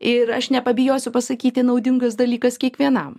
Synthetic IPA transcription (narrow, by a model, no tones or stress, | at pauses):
ɪɾɐʃnʲɛpɐbʲɪjoːsʲʊpɐsɐkʲiːt̪ʲɪnɐʊd̪ʲɪŋɡɐsd̪ɐlʲiːkɐskʲiɛkʋʲiɛnɐm